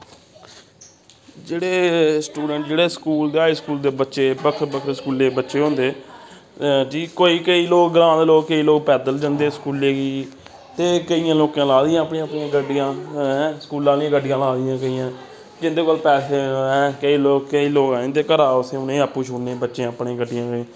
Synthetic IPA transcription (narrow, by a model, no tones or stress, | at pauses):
d͡ʒeːɽeːsʈuːɖəɳʈd͡ʒeːɽeːskuːld̪eːɦaːiːskuːld̪eːbətːʃeːbəkʰɾbəkʰɾskuːleːbətːʃeːɦõːnd̪eː | ʈiːkoːiːkəiːloːkɡəlãːd̪eloːkkəiːloːkpɛːd̪əld͡ʒə̃nd̪eːskuːlːeːɡiː | t̪eːkəijãːloːkãːlaːd̪ɪjãːəpɳẽãəpɳĩãːɡəɖɪjãːɛsə̥kuːlːãːlijãːɡəɖɪjãːlaːd̪ɪjãːkəijãː | d͡ʒɪnd̪eːkəlpɛːseːɛ̃ːkəiːloːk̚kəiːloːkaːẽːt̪eːkəɾaːʊseʊnẽːəpːũːt͡ʃʰʊɽneːbətːʃẽːəpnẽːɡəɖːɪjãː